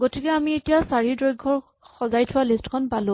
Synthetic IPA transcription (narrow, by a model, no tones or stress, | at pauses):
ɡotʰikɛamietijasaɹidɹojɡʱːɔɹ | xɔzajtʰʊwalistkʰɔnpalʊ̃